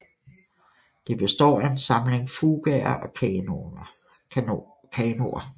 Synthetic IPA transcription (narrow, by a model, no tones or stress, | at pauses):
d̥e̝b̥e̝sd̥ɒ̰ːæe̝nsɑ̈mle̝ŋfuːɡ̥ɛɐʔɒ̽ | kʰɛːno̝ɐ